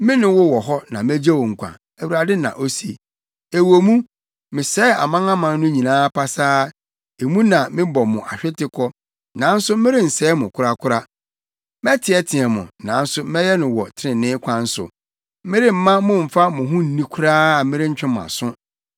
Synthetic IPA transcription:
mɪ̃˦nʊ̃˨wɔ˦wɔ˨ɦɔ˦nã˨mæ˦d͡ʑa˦wɔ̃˨ŋ̩˨kʷʰã̰˨ | æ˨wu˨ɾa˨dɪ˦nã̰˨ʔo˦si˨˦e˨ | e˨wo˨mũ˦ | mɪ̃˨sɛ˦a̰˨mã˦ŋã˦mã˨n˦nʊ̃˦ɲĩ˨nãː˦pʰa˦saː˦ | e˨mũ˦nã˨mɪ̃˦bɔ˨mʊ̃˨ʔa˨ɕᶣɪ˦tɪ˦kʰɔ˦ | nã˨n̩˦sʊ˦mɪ̃˦ɾɪ˦n̩˨sɛː˨˦mʊ̃˨kʰʊ˦ɾa˦kʰʊ˦ɾa˦ | mɛ˦tʰɪ˨˦ɛ˦tʰɪ̃˨ɛ˨mʊ̰̃˨nã˨n̩˦sʊ˦mɛ̃˦jɛ˦nʊ̃˨wɔ˨tʰɪ˦ɾɪ̃˨nɪ̃˦kʷʰã˦n̩˦sʊ̰˨ | mɪ̃˦ɾɪ˦m̩˨mːã˦mʊ̃˦m̩˨fa˦mʊ̃˨ɦʊ̃˦n̩˦nĩ˦kʰʊ˦ɾaː˦a˨mɪ̃˦ɾɪ˦ɲ̩˦t͡ɕᶣɪ̃˦m˨a̰˨sʊ̃˦

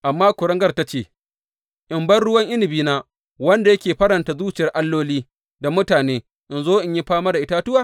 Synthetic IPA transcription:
ʔa˨mːaː˦kʷʊ˨ɽɐ˦ŋɡɐ˦rta˦t͡ʃeː˦˨ | ʔɪ˨mbɐ˦rɽʊ˦wɐ˦ŋʔɪ˦nɪ˨biː˦naː˦ | wɐ˦nda˨jɐ˦kʲeː˨ɸɐ˦ɽɐ˨nta˨zuː˦t͡ʃɪ˨jɐ˨rʔa˦lːoː˦liː˦ | da˨mʊ˦taː˨neː˦ | ʔɪ˨nzoː˦ʔɪ˨ɲji˦ɸaː˦ma˦da˨ʔɪ˦ta˦tʊ˦waː˦˨

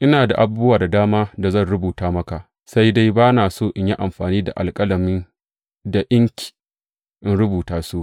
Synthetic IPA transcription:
ʔɪ˦naː˨da˨ʔa˨bʊ˦ʊ˦waː˨da˨daː˦maː˦da˨zɐ˦˨nɽʊ˦buː˨taː˦mɐ˦ka˨ʔ | sa˦jda˦jbaː˦naː˨soː˦˨ʔɪ˦ɲ˦ji˦ʔa˨mɸaː˨niː˦da̰˨ʔa̰˨lkʼɐ˦lɐ˨mɪ˦n | da˨ʔɪ˦ŋkʲi̥˨ | ʔɪ˦nɽʊ˦buː˨taː˦so˦˨ʔ

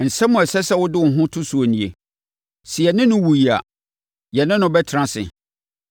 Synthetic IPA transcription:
n̩˨sɛ̃˦mʊ̃˨ɛ˨sɛ˦sɛ˦wʊ˦dɪ˦˨ɦʊ̃˦tʰʊ˦su˨o˨nĩ˨ḛ˨ | si˨ɛ˨nɪ̃˦nʊ̃˦wu˨ji˨a̰˨ | jɛ˨nɪ̃˦nʊ̃˦bɛ˦tʰɪ˨ɾã˦sɪ̰˨

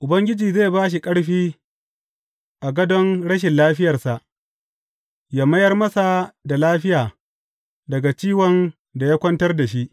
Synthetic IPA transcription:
ʔʊ˨bɐ˦ŋɡʲɪ˦d͡ʒiː˨zeː˦˨baː˦ʃ̬i˨kʼɐ˦ɽɸiː˦ | ʔa˨ɡɐ˦dɔ˦nɽɐ˦ʃ̬ɪ˨nlaː˦ɸɪ˦jɐ˨rsa˨ʔ | jaː˦mɐ˦jɐ˦rmɐ˦sa˨da˨laː˦ɸɪ˦jaː˨ | dɐ˨ɡa˨t͡ʃiː˦wɔ˨n | da˨jaː˦kʷɐ˦ntɐ˦rda˨ʃi˦ʔ

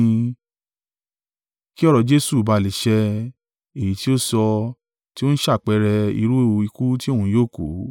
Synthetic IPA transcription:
ki˦ɔ˦ɾɔ˧d͡ʒe˦su˦˨ba˧˦˨li˨˦ʃɛ˧ | e˨ji˨˦ti˦o˦sɔ˧ | ti˦o˦ñ̩˦ʃa˦˨k͡pɛ˧ɾɛ˧ḭ˧ɾu˦e˦˨˧i˧ku˦ti˦o˦˨ũ˧˦joː˦˨ko̰˨˦

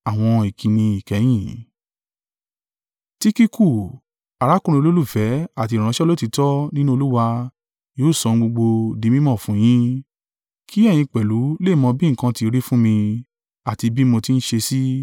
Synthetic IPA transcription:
a˨w̃ɔ̃˧i˨kʰi˧nĩ˧i˨kɛ˨˦j̃ĩ˦˨ | ti˦ki˦ku˦˨ | a˨ɾa˨˦kũ˦ɾĩ˧lo˦lu˦˨fɛ˨˦a˦˨ti˧˨ɾ̃ã˧˦ʃɛ˦lo˦ti˧tɔ˦nĩ˦nũ˦o˧lu˦wa˧ | joː˨˦˨sɔ̃˨˧ɡ͡bo˧ɡ͡bo˧di˨˧˦mĩ˦mɔ̃˦˨fũ˨˦j̃ĩ˦ | kʰi˦ɛ˦˨j̃ĩ˧k͡pɛ˨lu˨˦le˦˨mɔ̃˧bĩ˦ŋ̩˨kã˧ti˨˧˦ɾi˦fũ˦mĩ˧ | a˨ti˧bi˦mõ˧ti˦n̩˦ʃe˧si˦

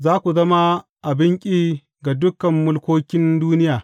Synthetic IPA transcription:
zaː˦kʷu˨zɐ˦ma˦ | ʔa˨bɪ˦ŋkʲʼiː˦ | ɡa˨dʊ˦kɐ˨mːʊ˦lkʷoː˦kʲɪ˦nduː˦nɪ˦jaː˨

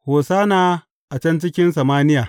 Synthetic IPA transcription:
hoː˨saː˦naː˦ | ʔa˨t͡ʃɛ˦nt͡ʃɪ˦kʲɪ˦ns̬ɐ˨maː˦nɪ˦jaː˨

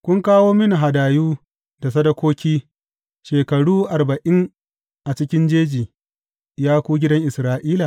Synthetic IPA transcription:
kʷʊ˦ŋkaː˦woː˦mɪ˦ni˨ɦa˨daː˨juː˦ | da˨sɐ˦dɐ˦kʷoː˦kʲiː˦ | ʃeː˨kɐ˨ɽuː˦ʔa˨rbɐ˨ʔɪ˦ŋ | ʔa˨t͡ʃɪ˦kʲɪ˦nd͡ʒeː˦d͡ʒiː˨ | jaː˦kʷuː˦ɡʲɪ˦dɐ˦ŋʔɪ˨sɾaː˦ʔiː˦la˨

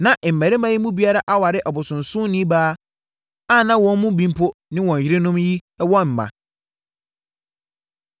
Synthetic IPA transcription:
nã˨ʔm̩˨mæ˨ɾɪ˦mã˦ji˦mũ˦bi˦a˦ɾa˦ʔa˦wa˨ɾɪ˦ʔa˨bʊ˨sʊ̃˨n˨sʊ̃˦nĩ˦baː˦ | a˦˨nã˦wɔ̃˦n˦mũ˦bĩ˦m˦pʰʊ˦nɪ̃˦wɔ̃˨n˨ɪ˦ɾɪ˦nʊ̃˦mji˦wɔ̃˦m̩˨mã̰˨

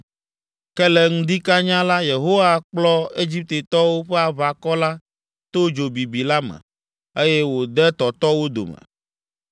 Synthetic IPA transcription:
kɛ˦lɛ˦ŋũ˦d̪i˦ka˦ɲã˦la˦je˨ɦo˦wa˦k͡plɔ˦e˦d͡ʑi˦p̚t̪e˨t̪ɔ˦wo˦ɸɛ˦a˨βa˨kɔ˦la˦ | t̪o˦d͡ʒo˨bi˨bi˨la˦mɛ̰̃˨ | e˦jɛ˦wo˨d̪ɛ˦t̪ɔ˨t̪ɔ˦wo˦d̪o̰˨mɛ̰̃˨

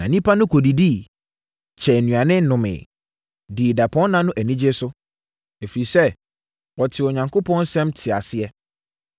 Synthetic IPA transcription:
nã˨nĩ˦pʰa˦nʊ̃˦kʰɔ˨di˨di˦˨ | t͡ɕʰɛ˨nũ˨a˨nɪ̃˦nʊ̃˨mɪ̰̃˨ | di˨da˨pʰɔ̃˦nnã˦nʊ̃˦ʔæ˨nĩ˦d͡ʑe˦sʊ˦ | e˨fi˨ɾi˨sɛ˦ | wɔ˨tʰɪ˨ɔ˨ɲã˨ŋkʰo˦pʰɔ̃˦n˦sɛ̃˦mtʰɪ˨a˨sɪ˦ɛ˦

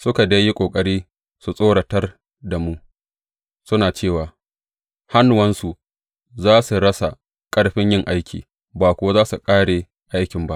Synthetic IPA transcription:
sʊ˦ka˨dɐ˦jːi˦kʷʼoː˨kʼɐ˦ɽiː˦ | su˨sʼoː˦ɽɐ˨tɐ˦r | da˨mu˦ | sʊ˦naː˨t͡ʃeː˦˨waː˨ | ha˦n˨wɐ˦nsu˨ʔ | zaː˦su˨ɽɐ˦sa˨ | kʼɐ˦ɽɸɪ˦ɲjɪ˦ŋʔa˦jkʲḭː˨ | baː˨kʷʊ˦wa˦zaː˦su˨kʼaː˦ɽe˨ | ʔa˦jkʲɪ˨mba˦ʔ

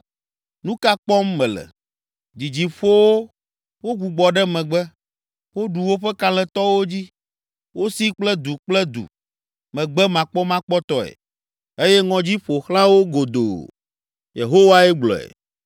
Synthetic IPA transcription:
nũ˦ka˦k͡pɔ˦mːɛ̃˨lɛ̰˨ | d͡ʑi˨d͡ʑi˨ɸo˦wo˦ | wo˦ɡu˨ɡ͡bɔ˨ɖɛ˦mɛ̃˨ɡ͡bɛ˦ | wo˦ɖu˨wo˦ɸɛ˦ka˦lɛ˨t̪ɔ˦wo˦d͡ʑi˦ | wo˦si˦k͡plɛ˦d̪u˨k͡plɛ˦d̪ṵ˨ | mɛ̃˨ɡ͡bɛ˦mã˨k͡pɔ˦mã˦k͡pɔ˦t̪ɔ˦ɛ̰˨ | e˦jɛ˦ŋɔ̃˨d͡ʑi˦ɸo˨xlã˦wo˦ɡo˨d̪o̰˨ | jḛ˨ɦo˦wa˦ɛ˦ɡ͡blɔ̰˨ɛ̰˨

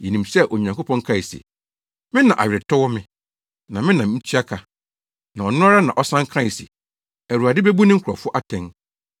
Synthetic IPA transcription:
jɛ˨nĩ˨msɛ˦˨ʔo˨ɲã˨ŋko˦pʰɔ̃˦ŋ˦kʰã˦˨ɪ˨sḛ˨ | mɪ̃˦nã˨ʔa̰˨ɥɪ˨ɾɪ˨tʰɔ˦wɔ˦mɪ̃˦ | nã˨mɪ̃˦nã˨˦n̩˦tʰɥa˦kʰa˨ | nã˨ɔ˨nʊ̃˦a˦ɾa˦nã˨ʔɔ˦sã˦ŋ˦kʰã˦ɪ˨sḭ˨ | æ˨ɾu˨a˨dɪ˦be˦bu˦nɪ̃˦kʰʊ˨ɾa̰˨fʊ˦ʔa˦tʰɛ̃˦n

